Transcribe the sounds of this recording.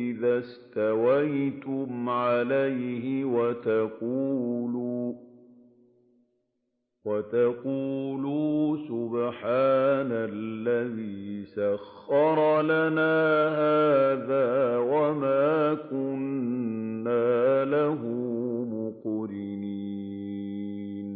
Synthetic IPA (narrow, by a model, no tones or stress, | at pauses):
ʔɪðast̪awajt̪ʊmʕalajhɪwat̪aquːluː | wat̪aquːluːsʊbħaːnalːaðiːsaxːɑɾˤlanaːhaːðaːwamaːkʊnnː | aːlaɦʊmʊqɾɪini | n